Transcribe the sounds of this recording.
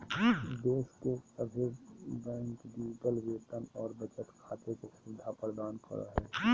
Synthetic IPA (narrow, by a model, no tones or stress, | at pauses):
d̪eːskeəbʱebɛ̃ːŋkɖid͡ʒɪʈəlʋeːt̪ənɔːɾbət͡ʃət̪kʰaːt̪ekosʊd̪ʱːapɾəd̪aːnkə̰ɾə̰ɦɛː